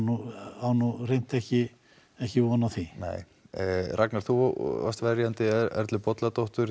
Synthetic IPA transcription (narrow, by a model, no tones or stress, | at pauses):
nuawnurejn̥t̪ɛhcɪ | ɛhcɪvɔnaθinɛ̰ːj | ɾrʔaknaɾ̥θua̰st̪vɛɾjant̪ɪɛ̰ɾt̪lɪpɔt̪lat̪owht̪ʏɾ